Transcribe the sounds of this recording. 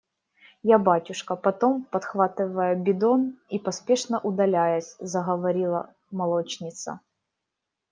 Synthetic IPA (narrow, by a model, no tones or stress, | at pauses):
jabatʲʊʂkɐpɐt̪ompɐt̪xvat̪ɨvɐjɐbʲɪd̪onipɐspʲeʂnɐʔʊd̪ɐlʲajɐsʲzɐɣɐvɐɾʲilˠɐ̰ | mɐlˠot͡ɕnʲɪt̪sɐ̰